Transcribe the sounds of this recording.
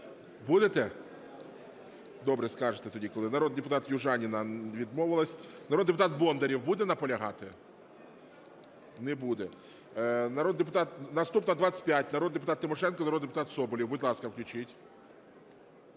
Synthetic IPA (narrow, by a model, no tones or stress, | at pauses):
bud̪et̪ɛ | d̪ɔbɾɛskɑʒet̪ɛt̪ɔdʲikɔlˠɪnɐɾɔd̪̚d̪epʊt̪ɑt̪juʒɑnʲinɐʋʲid̪mɔʋɪlˠɐsʲnɐɾod̪d̪epʊt̪ɑt̪̚bɔnd̪ɐɾʲiwbud̪ɛnɐpɔlʲɐɦɑt̪ɪ | nɛbud̪ɛ | nɐɾɔd̪d̪ep̬ʊ̥t̪ɑt̪̚nɐst̪upnɐd̪ʋat͡sʲːə̥t̚ʲpʲjatʲnɐɾod̪d̪epʊt̪ɑt̪ːɪmɔʃɛnkɔnɐɾɔd̪d̪epʊt̪ɑt̪sɔbɔlʲiwbʊdʲlˠɑskɐwklʲʊt͡ʃɪtʲ